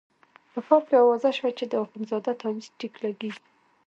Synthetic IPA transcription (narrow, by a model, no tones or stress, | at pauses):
pəkɑpjɑwɑzaʃwat͡ʃed̪əaxunzɑd̪at̪ɑwizʈiklaɡii